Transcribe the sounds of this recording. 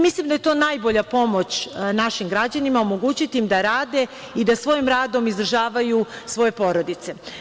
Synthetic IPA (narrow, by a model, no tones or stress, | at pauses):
mislimd̪aje̞t̪o̞ːnajbo̞ʎapo̞mo̞t͡ɕnaʃimɡɾad͡ʑanimaomo̞ɡut͡ɕit̪iimd̪aɾaːd̪e̞ | id̪asʋo̞jimɾaːd̪o̞mizd̪ɾ̩ʒaːʋajusʋo̞je̞po̞ɾo̞d̪it̪se̞